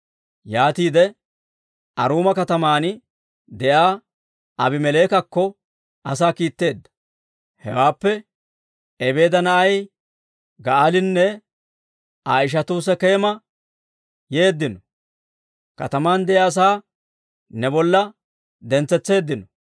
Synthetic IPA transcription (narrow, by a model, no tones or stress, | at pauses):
jaːt̪iːd̪ɛ | ʔɐɾuːmɐkɐt̪ɐmaːn | d̪ɛʔaː | ʔɐbɪmɛle̞ːkɐkːɔ | ɐs̬aːkiːt̪ːe̞ːd̪ːɐ̥ | hɛ̰waːpːɛ | ɛbe̞ːd̪ɐnɐʔɐj | ɡɐʔalɪnːɛ | aːɪʃ̬ɐt̪uːs̬ɛke̞ːmɐ | je̞ːd̪ːɪnɔ | kɐ̰t̪ɐmaːnd̪ɛʔjas̬aː | nɛbɔlːɐ | d̪ɛnt͡sːɛt͡sːe̞ːd̪ːɪnɔ